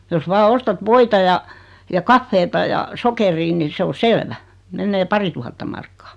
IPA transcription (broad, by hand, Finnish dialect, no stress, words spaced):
jos ʋɑː ostɑt ʋoitɑ jɑ jɑ kɑfːeːtɑ jɑ sokeriː ni se o selʋæ menːeː pɑrituhɑtːɑ mɑrkːɑ̥ː